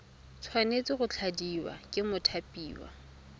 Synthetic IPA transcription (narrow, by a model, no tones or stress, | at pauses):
t͡sʰwanet͡sɪχʊt͡ɬʰadiwa̰kʼɪmʊtʰapʼiːwa̰